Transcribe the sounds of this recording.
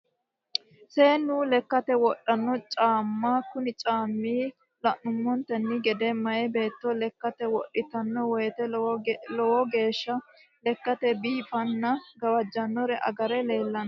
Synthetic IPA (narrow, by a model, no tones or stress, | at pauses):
seːnːʊlɛkːɐt̪ɛwɔɗːɐnːɔt͡ʃʼaːmːakʊnɪt͡ʃʼaːmːiː | lɐʔʊmːɔnt̪ɛnːɪɡɛd̪ɛmɐjɛbe̞ːt̪ːɔlɛkːɐt̪ɛwɔɗːɪt̪ɐnːɔwɔjɛt̪ɛlɔwɔɡe̞ːʃːɐ | lɛkːɐt̪ɛbiːfɐnːɐɡɐwɐd͡ʒːɐnːɔɾɛʔɐ̰ɡɐɾɛle̞ːlːɐnɐ